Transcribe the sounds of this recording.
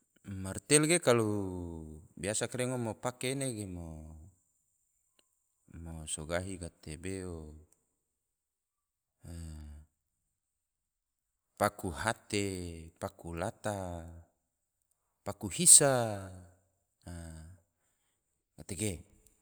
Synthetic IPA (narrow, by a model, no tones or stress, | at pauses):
mart̪ɛlɡekalu | biasakaɾeŋomopakeneɡemo | mosoɡaɦiɡat̪ebeo | pakuɦat̪epakulat̪a | pakuhisa | ɡat̪eɡe